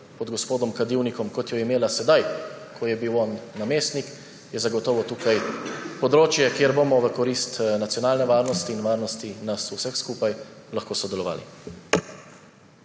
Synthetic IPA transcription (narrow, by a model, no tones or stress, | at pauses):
pɔd̪ɡɔspoːd̪ɔmkad̪iwnikɔmkɔt̪jɔimeːlasɛd̪ajkʰɔjɛbiwɔnːameːst̪nik | jɛzaɡɔt̪ɔːʋɔt̪uːkajpɔd̪ɾoːt͡ʃjɛkeːɾbomɔʋəkɔɾiːst̪nat̪sjɔnaːlnɛʋaːɾnɔst̪iːnʋaːɾnɔst̪inasusɛxskuːpaj | laxkoːsɔd̪ɛlɔʋa̰ːlḭ